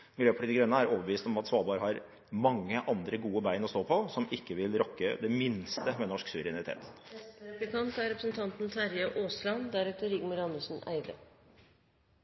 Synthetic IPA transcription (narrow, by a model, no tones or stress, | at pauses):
ɡɾøːpʰʈiːd̪ɪɡɾɛnːəæɾoːʋəʋiːst̪ɔmɑt̪sʋɑːbɑːɾhɑɾ | mɑŋːəʔɑnd̪ɾəɡuːəbæɪnɔst̪oːpʰɔsɔmɪkːəʋɪlɾɔkːəd̪ɛmɪnst̪əmɛnɔʂksʉʋəɾɛnɪt̪ʰḛːt̪ɛbəkʰɑnt̪æɾɛpɾəsnt̪ʰɑnt̪nt̪ʰæɾjɑʔoːslɑnd̪æɾʉːt̪əɾɪɡmʊɾɑnəsn̩æ̰ɪd̪ə̰